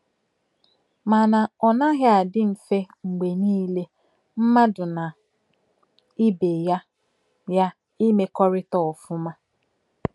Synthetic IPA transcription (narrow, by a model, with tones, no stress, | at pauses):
ma˨na˨ɔ˨na˦ɦɪ˦a˨dɪ˦m̩˨fe˦ | ŋ͡m̩˨ɡ͡be˨niː˦le˦ | m̩˦ma˦dʊ˨na˨ | i˦be˨ja˦ | ja˦ | i˦me˦kɔ˦ɾɪ˦tɔ˨ɔ˨fʊ˦ma˦